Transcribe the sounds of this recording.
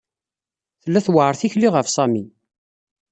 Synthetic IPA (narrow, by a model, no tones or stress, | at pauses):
θəlːæθwəʕəɾˤθiçliʁəfsˤæmi